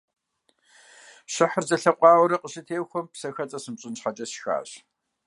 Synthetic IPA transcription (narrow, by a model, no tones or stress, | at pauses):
ɕɪħərzɐɬɐqʷʼɑːwɔɾɐqʼəɕɪtʰeːwxʷɔmpsɐxɐt͡sʼɐsɨmɕʼɪnt͡ɕχɐt͡ʃʼɐsxa̰ːɕ